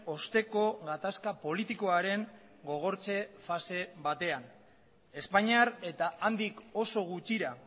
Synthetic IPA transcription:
o̞st̪e̞ko̞ɣat̪askapo̞lit̪iko̞aɾe̞ŋ | ɡo̞ɣ̞o̞ɾt͡se̞fase̞βat̪e̞an | e̞spaɲiaɾe̞t̪aand̪iko̞so̞ɣ̞ut͡ʃiɾa

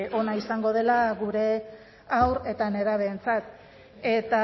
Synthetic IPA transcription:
o̞naisaŋɡo̞ð̞e̞laɣuɾe̞ | awɾe̞t̪ane̞ɾaβ̞e̞ːnt͡sat̪̚ | e̞t̪a

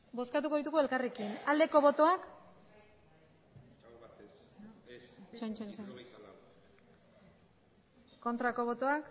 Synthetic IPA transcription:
bo̞skat̪̬uko̞ðit̪uɣue̞lkarekinald̪e̞ko̞βo̞t̪o̞ak | t͡ʃant͡ʃant͡ʃan | ko̞nt̪ɾako̞β̞o̞t̪oak

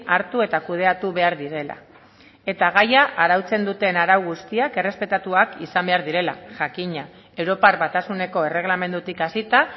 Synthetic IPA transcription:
aɾt̪ue̞t̪akuðe̞at̪uβe̞aɾðiɾe̞la̰ | e̞t̪aɣ̞ajaʔaɾawt͡se̞nd̪ut̪e̞naɾawɣust̪iake̞re̞spe̞t̪at̪uakisambe̞aɾðiɾe̞la̰ʝakiɲa | e̞wɾopaɾβat̪asune̞ko̞e̞re̞ɣ̞lame̞nd̪ut̪ikasit̪a

